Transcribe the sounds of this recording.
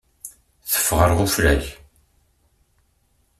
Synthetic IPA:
θə̥fːʁəɾʁʊflæç

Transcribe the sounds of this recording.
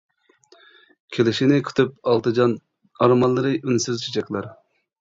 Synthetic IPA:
kʲʰelɪʃinɪkʲʰy̥t̪ʰyp̚ɑlˠt̪ɨd͡ʒɑn | ɑɾmɑlˠːɨɾɨʔynsyzt͡ʃʰid͡ʒɛkʲlˠɑɾ

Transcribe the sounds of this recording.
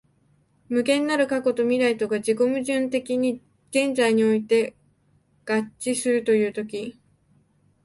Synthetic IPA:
mɯ̟kẽ̞nːaɾɯ̟kako̞t̪o̞mʲiɾait̪o̞ɡad͡ʑiko̞mɯ̟ʑɨ̃nt̪e̞kʲiɲ̟i | ɡ̥ẽ̞nd͡zaiɲ̟io̞it̪e̞ | ɡ̥at͡ɕːisɨɾɯ̟t̪o̞jɯ̟ːt̪o̞k̬ʲi

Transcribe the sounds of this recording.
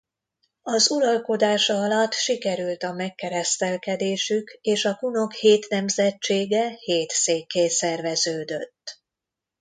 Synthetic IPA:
ɒzuɾɒlko̞d̪aːʃɒɒlɒt̪ːʃikɛɾylt̪ɒmɛkːɛɾɛst̪ɛlkɛd̪eːʃykeːʃɒkuno̞kheːt̪nɛmzɛt͡ʃt͡ʃːeːɡɛheːt̪seːkːeːsɛrvɛzøːd̪øt̪ː

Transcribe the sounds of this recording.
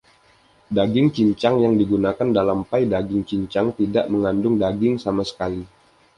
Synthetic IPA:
daɡɪŋt͡ʃiɲt͡ʃaŋjaŋdiɡunakandalampajdaɡɪŋt͡ʃiɲt͡ʃaŋt̪idaʔməŋandʊŋdaɡɪŋsamasə̥kali

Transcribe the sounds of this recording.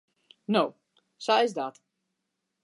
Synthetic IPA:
now | saɛzd̪aːt̪

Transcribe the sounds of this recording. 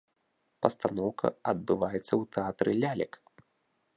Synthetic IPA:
pɐst̪anɔwkɐ̰ɐd̪̚bɨvajɛt̪sːɐwt̪ɛat̪ɾɨlʲalʲɐ̰k

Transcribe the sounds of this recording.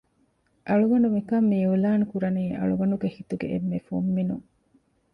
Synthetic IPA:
ʔɐɭuɡɐɳumikɐmːiulaːnukuɾɐniːʔɐ̰ɭuɡɐɳɖuɡehit̪uɡḛʔemːefumːinṵŋ

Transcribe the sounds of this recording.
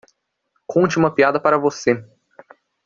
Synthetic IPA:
kʰõnt͡ʃɪũmɐpiad̪ɐpaɾɐvose

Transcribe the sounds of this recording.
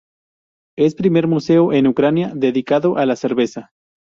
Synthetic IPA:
e̞spɾime̞ɾmuse̞oʔe̞nukɾanjaðe̞ðikaðoʔalase̞ɾβe̞sa

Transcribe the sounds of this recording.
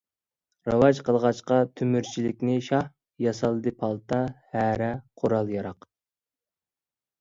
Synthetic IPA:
ɾɑwɑʒqʰəlˠʁɑt͡ʃqɑt̪ʰymyɾt͡ʃʰilɪk̚ʲnɪʃɑh | jɑsɑlˠd̪ɨpʰɑlˠt̪ʰɑhæːɾɛqʰoɾɑlˠjɑɾɑq

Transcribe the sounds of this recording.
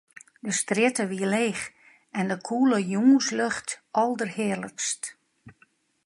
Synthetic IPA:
dəstrɪtəʋiəleːx | ɛndəkʰuːləjuːsløxtʔɔlˠdərhɪːələkst

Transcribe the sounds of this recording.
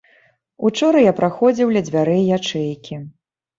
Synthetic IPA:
ut͡ʂɔɾɐjapɾaxɔd͡zʲiwlʲɐd͡zʲvʲaɾɛjjat͡ʂɛjkʲʰi

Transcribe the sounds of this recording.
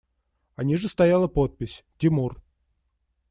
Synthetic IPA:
ɐnʲiʐɨst̪ɐjalˠəpot̪̚pʲɪsʲtʲɪmur

